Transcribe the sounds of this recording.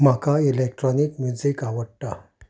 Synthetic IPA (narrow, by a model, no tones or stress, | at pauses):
m̤akailek̚ʈɾɔnikmjud͡zikaʋəɽʈ̪a̰